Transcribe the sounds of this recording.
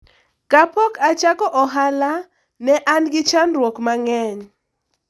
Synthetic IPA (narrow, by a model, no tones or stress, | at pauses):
kapɔkat͡ʃakɔʔɔɦala | nɛʔanɡɪt͡ʃanrwɔkmaŋɛɲ